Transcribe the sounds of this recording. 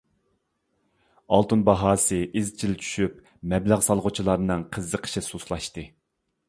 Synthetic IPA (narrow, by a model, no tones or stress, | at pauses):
ɑlˠt̪unbɑɦɑːsɨʔizt͡ʃʰilt͡ʃʰy̥ʃyp̚ | mɛblæʁsɑlˠʁʊt͡ʃʰilˠɑɾnɨŋqʰəzːəqʰə̥ʃɪsuslˠɑʃt̪ɨ